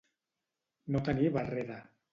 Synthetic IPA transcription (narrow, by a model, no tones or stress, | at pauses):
not̪aniβareða